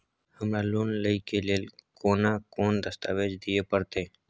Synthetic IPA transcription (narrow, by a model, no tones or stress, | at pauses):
həmɾaːloːnləikeːleːlkoːnaːkoːnd̪əst̪aːʋeːd͡ʒd̪ɪjeːpəɾt̪eː